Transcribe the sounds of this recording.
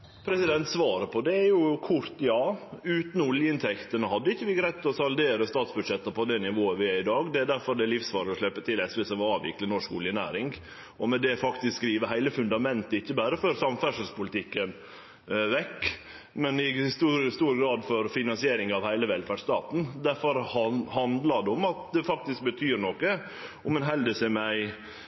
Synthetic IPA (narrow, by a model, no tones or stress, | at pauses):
pʰɾɛsɪd̪ɛnt̪sʋɑːɾəpʰɔd̪ɛæɾjʊkʰʊɾt̪jɑːʉːt̪nɔljəɪnt̪ʰɛkt̪ənəhɑd̪ːəɪçːəʋɪɡɾæɪt̪ːɔsɑld̪eːɾəst̪ɑːt̪sbʉd̪ʂɛt̪ːəpʰɔd̪ɛnɪʋoːəʋɪæɪd̪ɑːɡd̪ɛæɖ̪æɾfɔɾɖ̪ɛlɪfsʋɑːɾəɔʂlɭɛpːət̪ʰɪlɛsʋɛsɑʋɑːʋɪ̰klənɔʂkʊljənæ̰ːɾɪŋɡ | ʔɔmɛd̪ɛfɑkt̪ɪskɡɾiːʋəɾɦæɪləfʉnd̪ɑmɛnt̪əɪçːəbæːɾəføɾsɑmfæʂəlspʊlt̪ʰɪkːən | ʋɛkː | mɛnɪɪst̪uːɾst̪uːɾɡɾɑːd̪fɔɾfɪnɑnsɪeːɾɪŋɑʋhæɪləʋɛlfæɖst̪ɑ̰ːt̪n̩d̪æɾfɔɾhɑnd̪lɑd̪ɛʊmɑt̪̚d̪ɛfɑk̚t̪ɪsk̚bət̪ʰyːɾnɔkːə | ʊmɛnɦɛld̪əsɛmæɪ